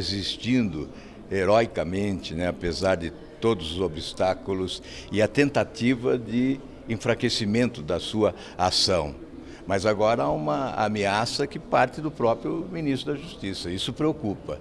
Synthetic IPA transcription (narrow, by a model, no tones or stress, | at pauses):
ezist͡ʃ̪ĩnd̪ʊ̰ | eɾɔjkɐmẽnt͡ʃ̪ɪnɛapezaɾd̪ɪ | t̪od̪ʊzʊzobist̪akʊlʊs | ɪɐt̪ẽnt̪at̪ivɐd̪ɪ | ẽfɾakesimẽnt̪ʊd̪ɐsuɐ | asɐ̃w̃ | mɐzaɡɔɾɐaũmɐa̰measɐkɪpaɾt̪ɪd̪ʊpɾɔpɾjʊminis̬t̪ɾʊd̪ɐʒust̪isɐisʊpɾeokupɐ̰